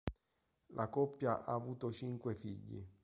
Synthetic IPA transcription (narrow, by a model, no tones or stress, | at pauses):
lʔakɔpːjaʔaːvuːt̪ot͡ʃiŋkwefiʎːḭ